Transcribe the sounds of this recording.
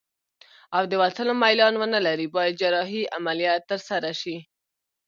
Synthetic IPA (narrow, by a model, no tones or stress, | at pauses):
awd̪əwat̪əlomajlɑnwənalaɾibɑjad̪̚d͡ʒaɾɑɦiamalijɑt̪ːəɾsaɾaʃi